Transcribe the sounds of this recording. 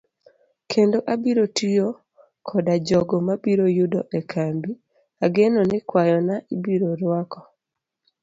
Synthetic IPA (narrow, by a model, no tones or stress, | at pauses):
kʰendoʔabiɾotijo | kʰɔdad͡ʒɔɡɔmabiɾojudɔʔɛkʰambi | aɡenonɛkwajɔnaʔibiɾoɾwakɔ